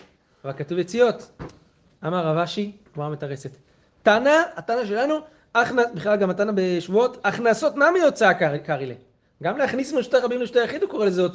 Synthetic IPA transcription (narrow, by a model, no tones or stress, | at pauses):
avalkatuvjet͡sijo̞t | amaʁavaʃi | muamet̪aʁeset̪ | tanaatanaʃ̬e̞lanu | aχnabiχlalɡamat̪anabeʃvuo̞taχnaso̞tnamiot͡sakakaʁile | ɡamleaχnismeʃu̥t̪aʁabimleʃut̪ajaχid̪uko̞ʁelezeot͡s